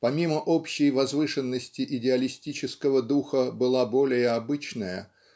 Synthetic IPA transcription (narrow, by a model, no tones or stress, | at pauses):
pɐmʲiməʔo̞pɕːɪjvɐzvɨʂɨnːəsʲtʲɪʔɪdʲɪɐlʲɪsʲtʲit͡ɕɪskəvəd̪uxəbɨlˠabo̞lʲɪjəɐbɨt͡ɕnəjə̰